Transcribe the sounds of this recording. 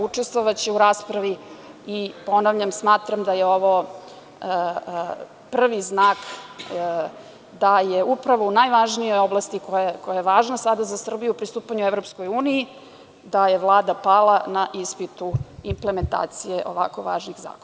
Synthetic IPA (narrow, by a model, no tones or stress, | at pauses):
ut͡ʂest̪vʋoʋat͡ɕeuɾaːspɾaʋiipo̞naʋʎʲamsmaːt̪ɾamd̪ajeo̞ʋo | pr̩ʋiznaːk | d̪ajeupɾaʋo̞unajʋaʒnijo̞jo̞blˠast̪ikojakojajeʋaːʒnasad̪azasr̩bijuupɾist̪uːpaɲuevɾo̞psko̞juːniji | d̪ajeʋlˠaːd̪apalanaʔispit̪uimpleme̞nt̪a̰ːt̪sijeʔo̞̰ʋa̰ko̞ʋa̰ːʒniɣza̰ːkoa